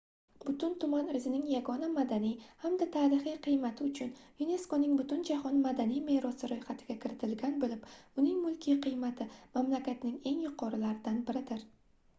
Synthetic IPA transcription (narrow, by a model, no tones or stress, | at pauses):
b̥ʊt̪ʊnt̪ʰʊmanɪzɪnɪŋjaɡɒnamad̪anijhamd̪at̪ʰaːɾɪχijqʰɨjmat̪ʰɪʊt͡ʃʰʊnjune̞skonɪŋbʊt̪ʰʊnd͡ʒahɒnmad̪anijme̞ɾɒsɪɾojχat̪ʰɪɡʲakʲʰɪɾɪt̪ʰɪlɡʲanbɪlɪpʊnɪŋmʊlˠkʲʰiqʰɨjmat̪ʰɪmamlakʲat̪nɪŋe̞ŋjʊqʰɒɾɪlaɾɪd̪anbɪɾɪd̪ɪɾ